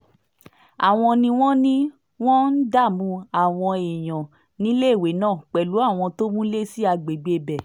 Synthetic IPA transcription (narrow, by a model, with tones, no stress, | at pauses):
a̰˨w̃ɔ̃˧nĩ˧w̃ɔ̃˦nĩ˦ | w̃ɔ̃˦n̩˦da˦˨mũ˧a˨w̃ɔ̃˧e˨j̃ɔ̃˨ | nĩ˨˦le˦˨we˨˦nãː˦˨k͡pɛ˨lu˨˦a˦˨w̃ɔ̃˧to˦mũ˦le˦si˦a˧ɡ͡be˨ɡ͡be˧bɛ˨